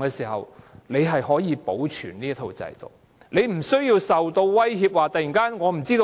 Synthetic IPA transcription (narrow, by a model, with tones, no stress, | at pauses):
ŋkɛː˧siː˨˩hɐ̰˨wle˨˧jɦɐ˨jɦɔː˨˥jiː˨˧po˨˥wt͡ʃʰyː˨˩nniː˥ɐ˥t̪ʰo˨˧wt͡sɐ̰˨˧jt̪o̰˨˩k̚ | le˨˧jm̩˨˩sɵ˥ɥjiː˧wsɐ˨wt̪o˧wwɐ˥jɦiː˧p̚waː˨t̪ɐ˨jiː˨˩ŋkaː˥nŋɔː˨˧m̩˨˩t͡siː˥t̪o˧